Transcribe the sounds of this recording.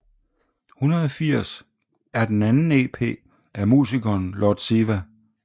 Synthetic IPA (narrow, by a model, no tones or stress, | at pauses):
hunɐðˠɒfiɐ̰s | æɐd̥enænn̩e̝̰ːpʰe̝̰ː | ʔæmṵːsikʰɒːnlɒd̥siʋæ